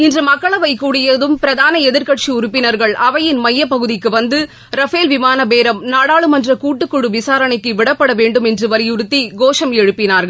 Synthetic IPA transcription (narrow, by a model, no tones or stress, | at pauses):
ɪndrɯmɐkːɐɭɐʋɐɪkːuːɽɪjɐðɯmpɪɾɐðaːnɐɛðɪɾkɐʈʂiʊɾʊpːɪnɐɾɣɐɭɐʋɐjɪnmɐjːɐpːɐɣɯðɪkːɯʋɐnd̪ɯ | ɾɐfeːlʋɪmaːnɐbeːɾɐmnaːɽaːɭɯmɐndrɐkuːʈːɯkːɯɽɯʋɪsaːɾɐɳɐkːɯʋɪɽɐpːɐɽɐʋeːɳɖɯmɛndrɯʋɐɾɪjʊɾɯt̪ːiɡoːʂɐmɛɻɯpːɪnaːɾɣɐɭ